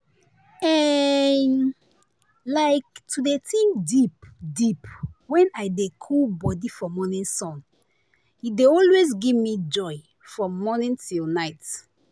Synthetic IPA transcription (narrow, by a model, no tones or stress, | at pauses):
ɛn | laɪk̚tʰudetʰĩŋdipdipwɛ̃naɪdekʰulbɔdifɔmɔnĩnsɔ̃n | jideɔlwezɡivmid͡ʒɔɪ | fɹɔ̃mɔnĩntilnaɪt